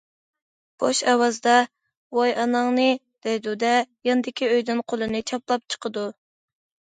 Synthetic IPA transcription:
b̥oʃɑwɑzd̪ɑ | wojɑnɑŋnɨ | d̪̥ɛjd̪ud̪ɛjɑnɨd̪ɪkʲʰiøjd̪ynqʰolˠɨnɨt͡ʃʰɑplˠɑp̚t͡ʃʰə̥qʰəd̪u

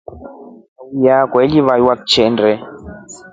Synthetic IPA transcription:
jakwɛliβajwak̚t͡ʃʰɛndɛ

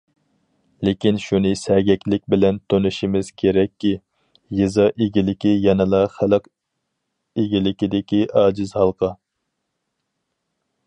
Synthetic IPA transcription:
lekʲinʃunɨsɛɡʲɛkʲlɪk̚ʲbɪlɛnt̪ʰonuʃimɪz̥kʲʰeɾɛkʲːi | jɨzɑʔeɡʲilɪkʲijɛnɪlˠɑχæləq | eɡʲilɪkʲid̪ɪkʲiʔɑːd͡ʒɪzhɑlˠqʰɑ

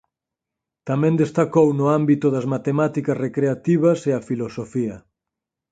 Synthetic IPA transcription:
t̪amɛ̃nd̪est̪akownʊambit̪ʊðɐzmat̪emat̪ikɐsrekɾeat̪iβɐseɐfilosofiɐ

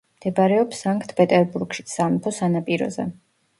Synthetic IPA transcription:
md̪̥ɛbaɾɛɔpsaŋkʼt̪ʰpʼɛt̪ʼɛɾbuɾɡ̥ʃi̥t̪samɔpʰɔsanapʼiɾɔ̰zɛ̰

